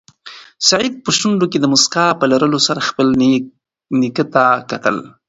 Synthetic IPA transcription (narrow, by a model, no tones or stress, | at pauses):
saʕid̪̚pəʃt̪uɳɖoked̪əmʊskɑpəlaɾəlosaɾaxpəl | nikət̪akat̪ə̰l